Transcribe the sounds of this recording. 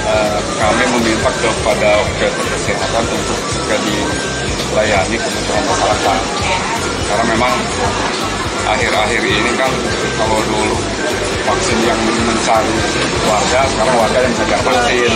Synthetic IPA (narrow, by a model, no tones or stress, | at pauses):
ə | kamiməmint̪ak̚dɔk̚padaakəp̪ərkəsiɦat̪anunt̪ʊk̚suɡadi | lajanikəmət̪əɾaŋkakalat̪an | səkaɾaŋmemaŋ | ʔa̰ɦɪɾaɦiɾinikan | kalodulu | faksɪnjaŋməməɲt͡ʃaŋ | warɡasəkaɾaŋwarɡajaŋsad͡ʒaʔfaksɪn